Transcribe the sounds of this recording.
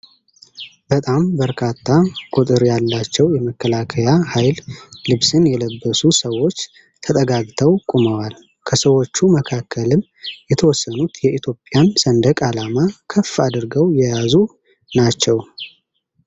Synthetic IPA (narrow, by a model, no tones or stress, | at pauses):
bət̪ʼambəɾkʰat̪ʰːakʼut̪ʼɨɾjalːat͡ʃːɛwjɛməkːəlakʰəjahajllɨβsɨnjɛləbːəsusəwːo̞t͡ʃː | t̪ʰət̪ʼəɡaɡt̪ʰəwkʼuməwal | kʰəsəwo̞t͡ʃːuməkʰakʰːəlɨm | jɛt̪ʰəwɔsːənut̪jɛʔit̪ʰjo̞pʼjansənd̪əkʼalamakʰəfad̪ɨɾɡəwjɛjazu | nat͡ʃːɛw